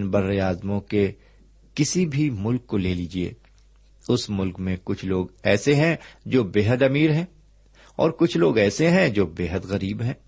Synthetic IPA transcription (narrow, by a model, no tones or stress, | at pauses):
nbɐɾːeaːzmõke | kɪsibʱimʊlkːoleːliːd͡ʒiḛː | ʊsmʊlkmẽkʊt͡ʃʰloːɡɛːseɦɛ̃d͡ʒoːbeːɦəd̪ɐmiːɾɦɛ̃ː | ɔ̰ːɾkʊt͡ʃʰloːɡɛːseɦɛ̃d͡ʒoːbeːɦəd̪ɣɐɾiːbɦɛ̃ː